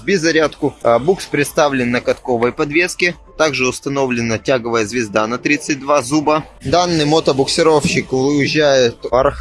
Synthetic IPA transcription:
bʲɪzːɐɾʲat̪kʊbukspɾʲɪt̪st̪avlʲɪnːəkɐt̪ko̞vəjpɐd̪vʲeskʲɪ | t̪aɡʐɨʊst̪ɐno̞vlʲɪnətʲaɡəvəjəzvʲɪzd̪anɐt̪ɾʲit̪sɨt̚ʲd̪vazubə | d̪anːɨjmot̪əbʊksʲɪɾofɕɪkʊɪʑːæjɪt̪ɐr

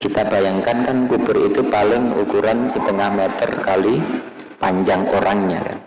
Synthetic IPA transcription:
kit̪ab̥ajaŋkankankub̥ʊrit̪upalɪŋṵkuɾansət̪əŋahmɛt̪ə̰rkali | paɲd͡ʒaŋoɾaŋɲa̰ka̰n

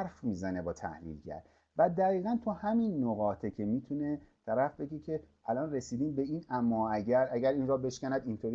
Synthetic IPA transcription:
ɾfmiːzæne̞bɒːt̪ʰæ̰hlḭːlɟæ̰ɾ | væd̪æɣiːɣænt̪ʰohæminːoɣɒːt̪ʰecʰe̞miːt̪ʰune̞t̪ʰæɾæfbe̞ɡecʰe̞ | ælɒːnre̞siːd̪iːmbe̞iːnæmːɒːæɟæɾʔæɡæɾiːnrɒːbe̞ʃcʲænæd̪int̪ʰoːɾi

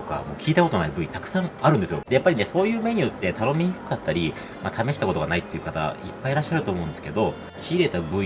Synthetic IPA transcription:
t̪oka̰mo̞̰ːkʲiːt̪ako̞t̪onaibɯ̟it̪akɯ̟̥sãŋ̃aɾɯ̟nd̪e̞sɨjo̞d̪e̞japːaɾʲine̞so̞ːjɯ̟ːme̞ɲ̟ijot̪ːe̞t̪ano̞mʲiɲiɸɯ̟̥kat̪ːaɾʲi | mat̪ʰame̞ɕi̥t̪ako̞t̪o̞ɡanait̪ːe̞iɯ̟kat̪a̰ipːaiɾaɕːaɾɯt̪oːmo̞ɯ̟nd̪esɨ̥ke̞d̪o̞ | ɕiːɾe̞t̪abɯ̟i

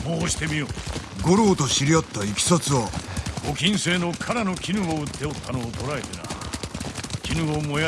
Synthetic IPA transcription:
boːɕi̥t̪e̞mʲioːɡo̞ɾo̞ːt̪o̞ɕiɾʲijot̪ːaikʲi̥sot͡sɨoɡo̞kʲĩɰ̃se̞ːno̞kʰaɾano̞kʲinɯɡoɯt̪ːe̞ot̪ːano̞ːt̪o̞ɾaet̪ena̰ | kʲinɯɡomo̞ja

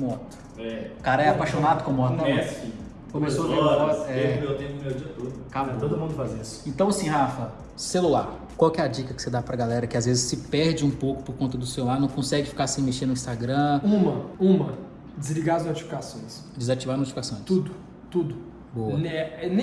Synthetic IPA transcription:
mɔt̪ɐ̥ | ɛkaɾɐɛapajʃonad̪ʊkõmɔt̪ɛi | kõmesoɐaɛmet̪ẽmewd͡ʒiɐt̪od̪ʊkabt̪od̪ʊmũd̪ʊfazisʊ̥ẽnt̪ɐ̃w̃asĩɦafɐ | selulaɾ | kwawkɛɐd͡ʒikɐkɪ̥sed̪apɾɐɡalɛɾɐkɪazvezɪsɪpɛɾd͡ʒɪũpowkʊ̥poɾkõnt̪ɐd̪ʊselulaɾnɐ̃w̃kõsɛɡɪfi̥kasẽj̃meʃteɾnʊĩst̪aɡɾɐ̃ũmɐũmɐ | d͡ʒɪzliɡaɾznot͡ʃi̥fi̥kasõj̃s | d͡ʒɪzat͡ʃivaɾnot͡ʃifikasõj̃st̪ud̪ʊ | t̪ud̪ʊ | bowɐɛɛñ

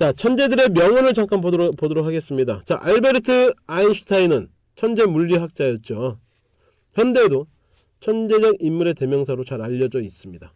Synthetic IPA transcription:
t͡ɕat͡ɕʰʌnd͡ʑe̞dɯɾe̞mjʌŋʌnɯɭt͡ɕaŋk͈ʰanpodoɾok̚ʰaɡe̞s͈ɯmɲidat͡ɕaʔaɭbe̞ɾɯtʰɯainɕʰu̥tʰainɯn | t͡ɕʰʌnd͡ʑe̞muʎːiɦak̚t͡ɕ͈ajʌt̚t͡ɕ͈o | çjʌnde̞do | t͡ɕʰʌnd͡ʑe̞d͡ʑʌɡimːuɾe̞te̞mjʌŋsʰaɾot͡ɕaɾaʎːʌd͡ʑʌis͈ɯmɲida

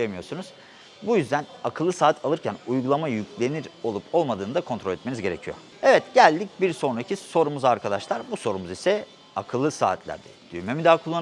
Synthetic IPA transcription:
jemijo̞ɾsunuz̥ | bujyzd̪ænakʰɯlˠːɯsaːt̪ʰalˠɯɾcʰænujɡulˠamajycʰlʲe̞niɾo̞lˠupʰo̞lˠmad̪ɯːnɯd̪akʰo̞nt̪ɾoɛt̪menizɟe̞ɾe̞̰cʰijo | evɛt̪ɟælʲd̪ic̚biɾso̞nɾacʰiso̞ɾumuzaɾkʰad̪aʃlˠaɾbuso̞ɾumuzisɛ | akʰɯlˠːɯsa̰ːt̪ʰlʲæ̰ɾd̪ɛ̰d̪̥y̰jme̞mid̪aːkʰulˠːan

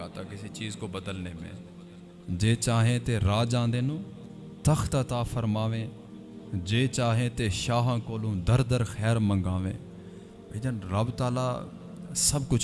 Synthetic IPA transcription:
aːt̪aːkɪseːt͡ʃiːzkoːbəd̪əlneːmɛ̰̃ː | d͡ʒeːt͡ʃaːɦẽːt̪eːɾaːd͡ʒãːnd̪eːnũː | t̪əxt̪ət̪aːfʰəɾmaːʋẽː | d͡ʒeːt͡ʃaːɦẽːt̪eːʃaːɦãːkoːlõːd̪əɾd̪əɾxɛːɾməŋɡãːʋḛ̃ː | beːd͡ʒaːnɾəbt̪aːla̰ː | səbkʊt͡ʃʰ

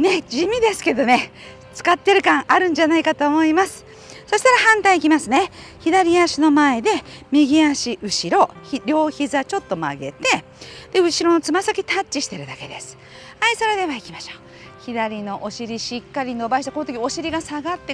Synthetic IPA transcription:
ne̞d͡ʑimʲid̪e̞sɨ̥ke̞d̪o̞ne̞ | t͡sɨ̥kat̪ːe̞ɾɯ̟kãŋʔaɾɯ̟̃ɲ̟d͡ʑanaikat̪o̞ːmo̞imasɨ̥ | so̞ɕi̥t̪aɾahãnt̪aiːkʲimasɨne̞ | çid̪aɾʲiaɕino̞mae̞d̪e̞mʲiɡʲiaɕiʔɯ̟ɕiɾo̞çiɾʲo̞ːçizɨat͡ɕo̞t̪ːo̞ma̰ɡe̞̰t̪e̞ | d̪̥e̞ɯ̟ɕiɾo̞no̞t͡sɨmasakʲit̪at͡ɕːiɕi̥t̪e̞ɾɯ̟d̪ake̞d̪e̞sɨ̥ | haiso̞ɾe̞d̪e̞βaikʲimaɕo̥ː | çid̪aɾʲino̞ʔoɕiɾʲiɕikːaɾʲino̞baɕit̪akonot̪okʲio̞ɕiɾʲiɡasaɡat̪ːe

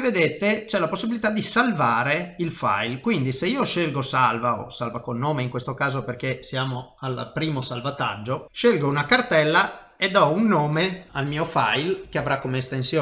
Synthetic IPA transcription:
ved̪et̪et͡ʃɛlaposːibilit̪ad̪isalvaːɾeilfa̰jlkwind̪iseiːoʃelɡosalvao̰salvakolnoːmeiŋkwest̪okaːzoperk̟esjaːmoalpɾiːmosalvat̪a̰d͡ʒːoʃelɡounakart̪ɛlːa | ed̪ɔunːoːmealmiːofa̰jlkeavɾakːomeːst̪ensjoː

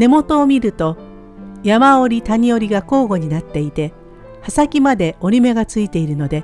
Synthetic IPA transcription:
ne̞mo̞t̪o̞ːmʲiɾɯ̟t̪o̞ | jamaoɾʲit̪aɲ̟io̞ɾʲiɡako̞ːɡo̞ɲ̟inat̪ːe̞it̪e̞ | hasakʲimad̪e̞o̞ɾʲime̞ɡat͡sɨit̪e̞iɾɯ̟no̞d̪e̞

